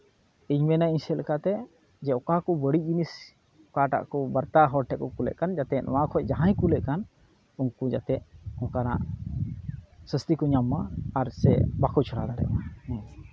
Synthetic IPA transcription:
iɲmɛnaiɲsɛlɛkat̪ɛ | d͡ʒɛɔkakɔbəɽid͡ʒinis | ɔkaʈa̰ʔkɔbəɾt̪aɦɔʈʰɛkɔkulɛ̰ʔkand͡ʒat̪ɛʔn̰wãkʰɔd͡ʒaɦãjkulɛʔkan | unkud͡ʒat̪ɛʔ̚ɔ̃kana̰ʔ | səst̪ikɔɲamːaːɾsɛ̰bakʰut͡ʃʰɔɽad̪aɾɛ̰ʔmah

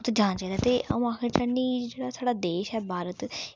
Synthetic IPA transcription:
t̪ːd͡ʒãːnt͡ʃaid̪aːt̪eːə̰ũːaːkʰɪɾt͡ʃəniːd͡ʒeːɽaːsaːɽaːd̪eːʃɛːbʱaːɾət̪

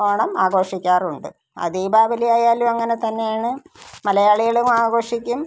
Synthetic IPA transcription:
oːɳɐmaːɣo̞ːʂikʲːaːruɳɖɨ | ɐ̰ðiːbʱaːbɐlijaːjaːluɐŋːɐnet̪ɐnːe̞jaːɳɨmɐlɐjaːɭijɐɭumaːɡo̞ːʂikʲːum

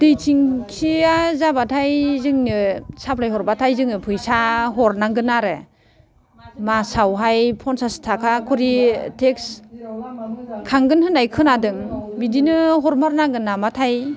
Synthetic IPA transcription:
d̥ɯjtʰiŋkʰiazabatʰajzɯŋnɯsapʰlajhɔɾbatʰajzɯŋnɯpʰɯjsaɦɔɾnaɡɯnaɾɯ | masawɦajpʰɔnsastʰakʰakʰɔɾitʰeks | kʰaŋɡɯnhɯnajkʰɯnadɯŋbidinɯɦɔɾmaɾnaɡɯnːamatʰaj

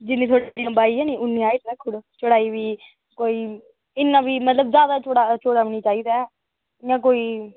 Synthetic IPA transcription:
d͡ʒɪnːĩːt̪ʰoːɽad̪ijãːbaːiːɛːnĩːʔʊnːĩːaːiːt̪ːɛkʰʊɽt͡ʃəɽaːiːʋiː | koːiː | ɪnːãːʋiːmət̪ləbzjaːd̪aːt͡ʃoɽaːt͡ʃoːɽaːoniːt͡ʃaːiːd̪aːɛ | ɪjãːk̬oːiː

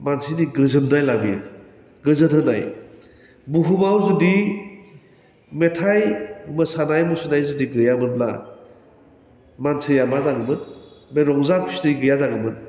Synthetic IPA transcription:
mansiniɡɯzɯndajlabi | ɡɯzɯtɦɯnaj | buɦubawzudi | metʰajmɯsanajmusɯnajzudiɡɯjamɯnbla̰ | mansɯjamazaɡɯmɯnmeɾɔŋzakʰi̥sniɡɯjazaɡɯmɯn

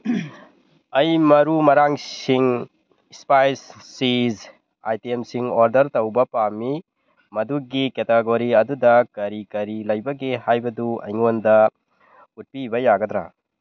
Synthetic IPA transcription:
ɐjmɐɾumɐɾaŋsiŋ | spajsːiz | a̰jtemsiŋoɾdɐɾtɐwbɐpami | mɐduɡiketeɡoɾiɐdudɐkɐɾikɐɾilɐjbɐɡehajbɐduɐ̰jŋondɐ | ut̚pibɐjaɡɐdɾa̰

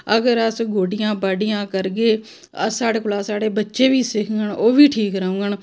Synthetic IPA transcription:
əɡəɾəsɡoːɖɪjãːbaːɖɪjãːkəɾɡeː | ə̰saːɽeːkʊlaːsaːɽeːbətːʃeːʋiːsɪkʰɡəɳoːʋiːʈʰiːkɾəũːɡəɳ

